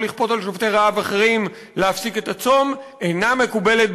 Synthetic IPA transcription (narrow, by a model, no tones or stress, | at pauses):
liχpo̞talʃovt̪eʁaavaχeʁim | leafsike̞t̪at͡so̞me̞name̞kube̞let̪̚